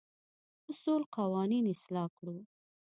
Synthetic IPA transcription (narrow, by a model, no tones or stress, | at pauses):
ʊsulqawɑninɪslɑkɽu